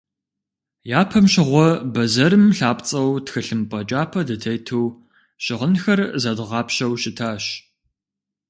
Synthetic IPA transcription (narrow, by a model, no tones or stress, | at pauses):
jaːpʰɐmɕɪʁʷɔbɐzɐɾɨmɬaːpt͡sʼɐwtxɨɬɨmpʼɐt͡ʃʼaːpʰɐdɨtʰɐjtʰuw | ɕɪʁənxɐrzɐdʁɑːpɕɐwɕɪtʰaːɕ